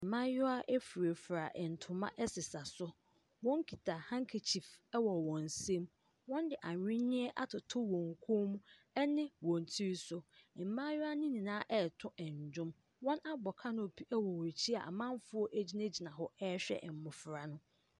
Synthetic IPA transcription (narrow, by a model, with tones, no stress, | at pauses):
m̩˨mã˦jɔ˦a˦ʔɛ˦fu˨ɾe˨fɾa˨ʔɛ˨n̩˨tʰʊ̃˨mã̰˦ʔɛ˦sɪ˨sa˨sʊ˦ | wɔ̃˦ŋ˦kʰi˨tʰa˨hã˦ŋ̩˦kʰe˨t͡ɕʰi˨fɛ˦wɔ˨wɔ̃˨n˨sẽ˦m | wɔ̃˦ndɪ˨ʔa˨ɥɪ̃˦nɪ̃˦ɛ˦ʔa˨tʰʊ˨tʰʊ˦wɔ̃˨ŋ˨kʰo˦mũ˦ | ɛ˦nɪ̃˦wɔ̃˨n˨tʰi˦ɾsʊ˦˨m̩˨mã˦jʊ˦a˦nɪ̃˦nĩ˨nãː˨˦ʔɛ˦˨tʰʊ̃˦ʔɛ˨ɲ˨d͡ʑᶣʊ̃˦m | wɔ̃˦na˦bɔ˨kʰa˦nʊ̃˦o˨pʰi˦ʔɛ˦wɔ˨wo˨t͡ɕʰi˦a̰˨mã˦m˦fʊ˦ɔ˦ʔæ˦d͡ʑi˦ne˦d͡ʑi˨nã˨ɦɔ˦ɛ˦ɕᶣɛ̰˦ʔm̩˨mʊ̃˨fɾa˨nʊ̃˦